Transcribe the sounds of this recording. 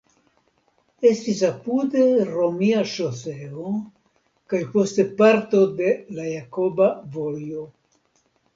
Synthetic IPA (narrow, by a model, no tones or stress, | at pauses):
e̞stis̬apude̞ɾo̞miaʃoseo | kajpo̞ste̞paɾto̞de̞lajako̞bavojo